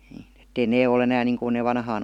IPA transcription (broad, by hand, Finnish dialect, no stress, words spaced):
n̥i̥ːn̥ etːei neː ol enæːn niːŋkun neː ʋɑnhɑːn